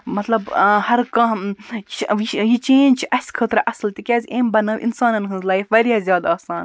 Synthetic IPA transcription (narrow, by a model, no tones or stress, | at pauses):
mɐt̪lɐbhɐɾkɐ̃ | ijit͡ʃẽːnd͡ʒt͡ʃʰiʔɐsʲkʰəːt̪ɾɐʔɐslt̪ikʲaːzʲeːmbɐnɐʋʔḭnsaːnɐnɦɨzlaːifʋɐɾijaːzjaːd̪aːsaːn